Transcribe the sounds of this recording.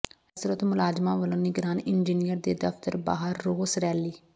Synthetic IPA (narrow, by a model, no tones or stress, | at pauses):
əsɾət̪mʊlaːd͡ʒmãːʋəlõːnɪɡɾaːnɪnd͡ʒiːnijəɾd̪eːd̪əft̪əɾba̰ːɦəɾːoːsɾɛːliː